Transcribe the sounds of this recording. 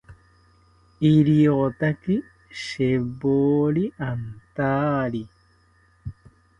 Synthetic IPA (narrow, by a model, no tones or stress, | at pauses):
iɾiɣot̪aki | ʃeboːliʔant̪aːli